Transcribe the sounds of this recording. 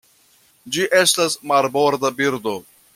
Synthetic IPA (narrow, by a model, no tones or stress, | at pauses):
d͡ʒiʔe̞stasmaɾboɾd̪abiɾd̪o̞